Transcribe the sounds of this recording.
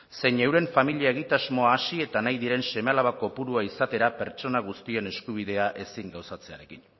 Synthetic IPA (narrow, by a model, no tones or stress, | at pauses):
se̞jnewɾe̞ɱfamiliae̞ɣ̞it̪azmo̞aːsie̞t̪anajðiɾe̞nse̞mealaβako̞puɾuaisat̪e̞ɾape̞ɾt͡ʃo̞naɣust̪ie̞ne̞skuβ̞iðe̞aʔe̞siŋɡawsat͡se̞a̰ɾe̞kin